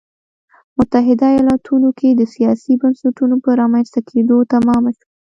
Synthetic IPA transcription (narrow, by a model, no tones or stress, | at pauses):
mʊt̪aɦɪd̪ajɑlɑt̪ʰunokʰed̪əsijɑsibənsɪʈunopəɾɑmanst̪akʰed̪ot̪amɑmaʃu